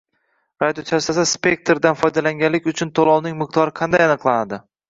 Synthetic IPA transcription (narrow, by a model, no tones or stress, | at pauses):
ɾad̪ʲjot̪ʰasasaspʲe̞k̚ʲt̪ɾd̪anfɒjd̪alaŋʲanlɪkʲʊt͡ʃʰʊnt̪ʰolˠɒwnɪŋmɪq̚t̪ʰɒɾɪqʰɑnd̪ajanɨqlˠanad̪ɪ